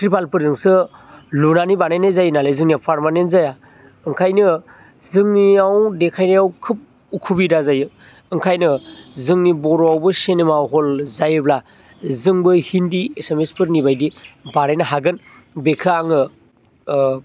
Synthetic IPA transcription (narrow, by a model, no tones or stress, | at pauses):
tɾipalpɯɾzɯŋsɯlunanibanajnezajnalezɯŋnijawpʰaɾmanentzaja | ɯŋkʰajnɯ | zɯŋniawdekʰajnajawkʰɯp̚ | ukʰubidazajɯ | ɯŋkʰajnɯzɯŋnibɔɾoawbɯsenemawɦolzajɯbla | zɯŋbɯhindiesemespɯɾnibajdibanajnɐɦaɡɯn | bekʰaaŋɯ